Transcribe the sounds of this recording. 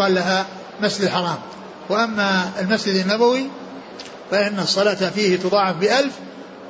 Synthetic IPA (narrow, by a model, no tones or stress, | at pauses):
ɑːlːaɦa | masd͡ʒɪd̪ħɑɾˤɑːm | wɪʔamːaɪlmasd͡ʒɪd̪anːabawi | faʔɪnːasˤːɑlaːt̪fiːhɪt̪ʊd̪ˤɑːʕːɑfbɪʔalf